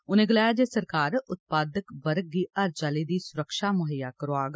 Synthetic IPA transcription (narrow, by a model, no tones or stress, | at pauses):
ʊnẽːɡəlaːjaːd͡ʒeːsəɾkaːɾʊt̪̚paːd̪əkbəɾɡiːəɾt͡ʃaːliːd̪iːsʊɾəkʃaːmʊɦəjaːkəɾoaːɡ